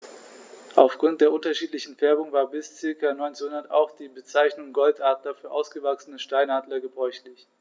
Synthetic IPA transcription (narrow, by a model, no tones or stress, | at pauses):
ʔaʊfɡ̥ʁʊntd̥eːɐʔʊntɐʃiːtlɪçn̩fɛɐbʊŋvaːɐbɪst͡sɪɐkɐnɔʏnt͡snhʊndɐta̰ʊxd̥iːbət͡saɪçnʊŋɡɔltʔaːtlɐfyːɐʔaʊsɡ̥əvaksənəʃtaɪnaːdlɐɡəbʁɔʏçlɪç